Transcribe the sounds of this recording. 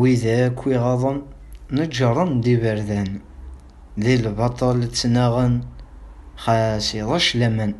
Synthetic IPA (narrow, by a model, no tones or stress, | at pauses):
wiðækʷːiʁɑðˤənː | əd͡ʒəɾˤənd̪ivəɾðæn | ðilbɑt̪ˤɑlt͡sːnæʁən | χæsiðˤɑʃlæmən